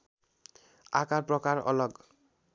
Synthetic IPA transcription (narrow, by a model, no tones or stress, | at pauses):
akaɹpɹɔkaɹɔ̰lɔɡ